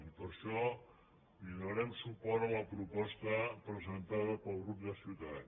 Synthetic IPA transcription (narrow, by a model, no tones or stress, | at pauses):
ipəɾʃɔ | liðəɾɛmsupɔɾələpɾupɔst̪əpɾəzənt̪aðəpəlˠɣɾup̚d̪əsit̪aʎ